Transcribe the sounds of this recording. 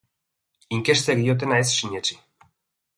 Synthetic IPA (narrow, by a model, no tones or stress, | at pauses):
iŋkest̪eɣiot̪̬enaesʃiɲet͡ʃi